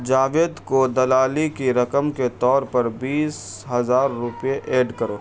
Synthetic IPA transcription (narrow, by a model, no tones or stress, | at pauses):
d͡ʒaːʋeːd̪kod̪ɐlaːlikiɾɐkəmket̪ɔːɾpɐɾbiːsɦɐzaːɾːʊpjeʔeːɖkɐɾoː